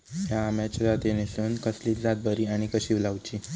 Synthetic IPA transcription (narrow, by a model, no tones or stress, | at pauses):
ɦjaːmjat͡ɕəd̪at̪enesuːnkəsliːt̪d͡zat̪̚bʱəɾiːaɽ̃ikəɕiːʋlaʋt͡ɕiː